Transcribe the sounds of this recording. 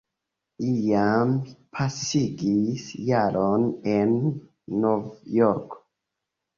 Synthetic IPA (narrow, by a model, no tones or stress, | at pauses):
ijampʰasiɡisjaɾonenː | ovjoɾk